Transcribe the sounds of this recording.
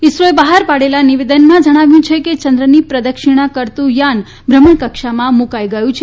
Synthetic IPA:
isɾoebaɦaɾpaɽelaniʋed̪ənmãd͡ʒəɽ̃aʋjũt͡ʃʰeket͡ʃənd̪ɾənipɾəd̪əkʃiɽ̃akəɾt̪ũjan | bʱɾəməɳkəkʃamãmukajɡəjũt͡ʃʰ

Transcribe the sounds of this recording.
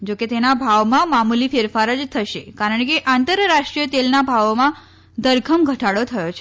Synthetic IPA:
d͡ʒoket̪enabʱaʋmãmamulifeɾfaɾəd͡ʒt̪ʰəʃekaɾəɳkeʔant̪əɾːaʂʈɾijət̪elnabʱaʋmã | d̪əɾɡʰʱəmɡʱəʈaɽot̪ʰəjot͡ʃʰe

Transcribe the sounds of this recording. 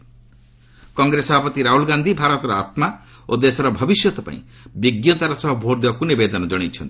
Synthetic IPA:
kɔŋɡɾesɔbʱapɔt̪iɾaɦulɡand̪ʱibʱaɾɔt̪ɔɾɔa̰t̪ma | od̪esɔɾɔbʱɔbisjɔt̪ɔpa̰ḭ̃ | biɡjɔt̪aɾɔsɔɦɔbʱoɾd̪ebakunibed̪ɔnɔd͡ʒɔɽ̃it͡ʃʰɔnt̪i̥

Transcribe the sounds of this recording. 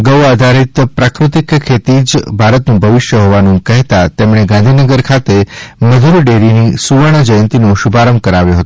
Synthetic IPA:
ɡəwad̪ʱaɾit̪pɾakɾut̪ikʰːet̪id͡ʒbʱaɾət̪nũbʱəʋɪʃjəɦoʋanũkəɦt̪at̪emɽ̃eɡãnd̪ʱinəɡəɾkʰat̪eməd̪ʱuɾɖeɾinisuʋəɳ̃əd͡ʒəjənt̪inoʃubʱaɾəm̚kəɾaʋjoɦət̪o̥

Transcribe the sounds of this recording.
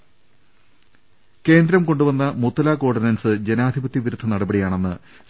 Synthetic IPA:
ke̞ːnd̪ɾɐmko̞ɳɖuʋɐnːɐmut̪ːɐlaːko̞ːɖɐnɐnsɨd͡ʑe̞naːd̪ʱibɐt̪ːiʋiɾud̪ʱːɐnɐɽɐbɐɽijaːɳe̞nːɨ | s

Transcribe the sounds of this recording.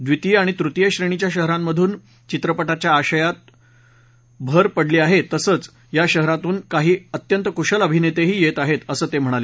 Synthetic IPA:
d̪ʋit̪iaɽ̃it̪ɾut̪jeɕɾeɽ̃it͡ɕjaɕəɦɾamːəd̪ʱuːn | t͡ɕit̪ɾəpəʈat͡ɕjaːɕəjat̪̚ | bʱəɾpəɽliːaɦet̪ːəsəːt͡s | jaɕəɦɾat̪uːnkaɦiːət̪jənt̪əkuɕələbʱinet̪eɦiːjet̪aɦet̪əsəːt̪em̤əɽ̃ale

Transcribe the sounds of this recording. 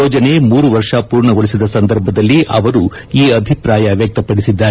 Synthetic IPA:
oːd͡ʒɐne̞muːɾuʋɐɾʂɐpuːɾɳɐɡoɭisid̪ɐsɐnd̪ɐɾbʱɐd̪ɐlːiʔɐʋɐɾu | iːɐbʱipɾaːjɐʋjɐk̚t̪ɐpɐɽisid̪ːaːɾ

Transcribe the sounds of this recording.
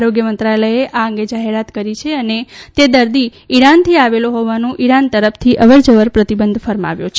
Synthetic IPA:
aɾoɡjəmənt̪ɾajləeʔaəŋɡed͡ʒaɦeɾat̪kəɾit͡ʃʰeənet̪ed̪əɾd̪iiɾant̪ʰiaʋeloɦoʋanũʔiɾant̪əɾəft̪ʰiʔəʋəɾd͡ʒəʋəɾpɾət̪ibənd̪ʱfəɾma̰ʋjõt͡ʃʰ

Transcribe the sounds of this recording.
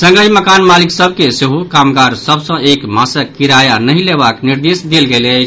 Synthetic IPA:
sə̃ŋɡəjməkanmaliksəb̚ʱkeseɦukamɡaɾsəbsə̃ekmasəkːiɾajanəileβakniɾd̪esd̪elɡelət͡ʃʰ

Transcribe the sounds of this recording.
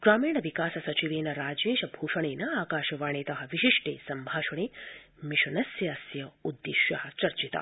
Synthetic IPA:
ɡ̥ɾaːmiːɳɐʋikaːsɐsɐt͡ʃiʋeːnɐɾaːd͡ʒeːʃɐbʱuːʂɐɳeːnɐaːkaːʃɐʋaːɳeːt̪ɐɦɐʋiʃiʂʈḛːsɐmbʱaːʃɐɳeː | miʃɐnɐsjɐsjɐud̪ːiʃjɐhɐt͡ʃɐɾt͡ʃit̪a̰

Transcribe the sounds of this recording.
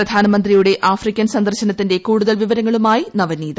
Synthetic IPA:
rɐd̪ʱaːnɐmɐnd̪rijuɽe̞ʔaːfrikʲːɐnsɐnd̪ɐrɕɐnɐt̪ːindekuːɽuðɐlʋiʋɐɾɐŋːɐɭumaːjinɐʋɐnːiːðɐ

